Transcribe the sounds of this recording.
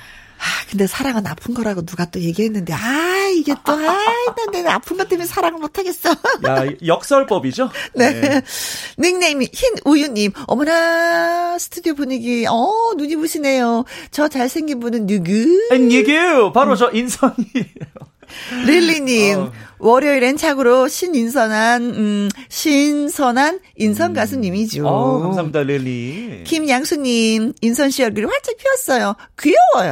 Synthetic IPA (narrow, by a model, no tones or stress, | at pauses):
akɯnde̞sʰaɾaŋɯnapʰɯnɡʌɾaɡonuɡat͈oje̞ɡiɦe̞nːɯnde̞aiɡe̞t̚t͈ʌɡanenea̰pʰɯmbant͈ʰeminsʰaɾaŋɯɭmotʰaɡe̞s͈oajʌk̚s͈ʌɭp͈ʌbid͡ʑone̞ | nɯŋneimiçinujunːimʌmʌna | sʰɯ̥tʰudiobuɲiɡiʌnuɲiboɕʰine̞jot͡ɕʌt͡ɕaɭsʰe̞ŋɡinbunɯnjuɡɯanjeɡejopaɾot͡ɕʌʔinsʰʌɲieo | ɾilːiɲimwʌɾjʌiɾent͡ɕʰaɡɯɾoɕʰinins̬ʰʌnanɕʰinsʰʌnan | insʰʌnɡasʰɯɲimid͡ʑosʰamidaɾilːḭkimjaŋsʰuɲːiminsʰʌnɕʰijʌɭɡɯɾiɸwaɭt͡ɕ͈apʰiʌs͈ʌjo | kɯjʌwʌjo̰